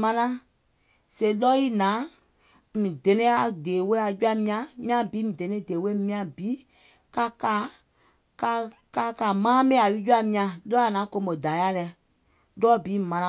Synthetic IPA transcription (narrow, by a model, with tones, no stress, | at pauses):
mã˧nã˦ | se˨lɔ˦i˦nãː˨˦ | mĩ˨dɛ˨nɛ̃˦a˨deː˨we˦a˨d͡ʒu˦a˧mĩ˧ã˧˨mĩ˦ã˧bi˨˦mĩ˨dɛ̃˨nɛ̃˦˨deː˨we˦mĩ˦˧ã˧˨biː˨˦ | ka˧kaː˨˦ | ka˧ | ka˧ka˨mãː˦me˦a˨li˦d͡ʒu˦a˧mĩ˧ã˧lɔː˦a˨nãː˨˦ko˧˦mo˨da˨˦a˦lɛ˧ | lɔ˦biː˨˦˨mã˧nã˧